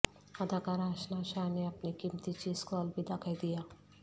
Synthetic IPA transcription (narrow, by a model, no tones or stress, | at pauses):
ɐd̪ʱakaɾaːʃnaʃaneɐpnikimt̪it͡ʃiskoɐlbid̪akʰajd̪ijaː